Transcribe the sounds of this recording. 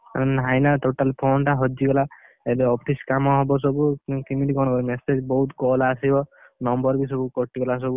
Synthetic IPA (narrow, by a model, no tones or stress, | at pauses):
nɦajnaʈoʈalpʰonʈaɦɔd͡ʒiɡɔla | edeɔpʰiskamɔɦɔbɔs̬ɔbukimidikɔɽ̃kɔɾimesed͡ʒbɔɦut̪kɔlasibɔ | nɔmbɔɾbis̬ɔbukɔʈiɡɔlas̬ɔbu